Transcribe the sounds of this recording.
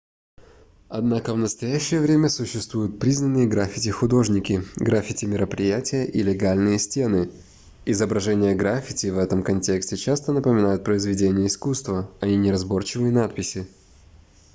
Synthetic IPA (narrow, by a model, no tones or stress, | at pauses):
ɐd̪nakəvnəst̪ɐjæɕːɪjəvɾʲemʲəsʊɕːɪst̪vujʊt̪̚pɾʲiznənːɨjəɡɾafʲɪtʲɪxʊd̪o̞ʐnʲɪkʲɪɡɾafʲɪtʲɪmʲɪɾəpɾʲɪjætʲɪjəʔilʲɪɡalʲnɨjəsʲtʲenɨ | ɪzəbɾɐʐɛnʲɪjəɡɾafʲɪtʲɪvɛt̪əmkɐnʲtʲe̞ksʲtʲɪt͡ɕast̪ənəpəmʲɪnajʊt̪̚pɾəɪzvʲɪdʲenʲɪjəɪskust̪vəɐnʲinʲɪɾɐzbo̞rt͡ɕɪvɨjənat̪̚pʲɪsʲɪ